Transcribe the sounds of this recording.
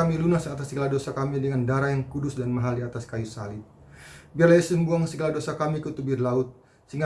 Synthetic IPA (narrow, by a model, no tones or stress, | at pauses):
amilunasat̪asːəɡalahdosakamidəŋandaɾajaŋkudʊsdanmaɦaldiat̪askajusalɪp̚ | biarlaisəmbuaŋsəɡalahdosakamikut̪ubɪrlaʊt̪̚ | siŋa